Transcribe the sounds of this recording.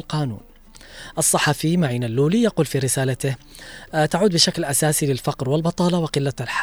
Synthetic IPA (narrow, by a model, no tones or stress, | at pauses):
lqaːnṵːn | ʔɨsˤːɑħɑfimaʕiːnalːuːlijaquːlfiɾɪsaːlat̪ɪh | t̪aʕuːd̪̚bɪʃaklʔasaːsilɪlfɑqɾwɪlbɑt̪ˤɑːlɑwɪqɪlːaalħa